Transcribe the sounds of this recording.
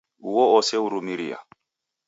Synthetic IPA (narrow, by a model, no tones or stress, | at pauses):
uwɔɔsɛuɾumiɾḭa̰